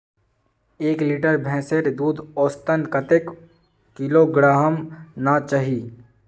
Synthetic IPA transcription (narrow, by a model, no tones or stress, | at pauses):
eːkliʈəɾbʱɛ̃ːseɾd̪uːd̪ʱoːst̪ənkət̪ek | kɪloɡɾaːɦəmnat͡ʃaɦiː